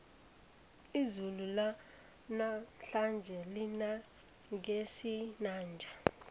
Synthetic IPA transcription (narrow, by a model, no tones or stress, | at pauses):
izulula | naɬand͡ʒʱɛlina | ŋesinaːnd͡ʒʱa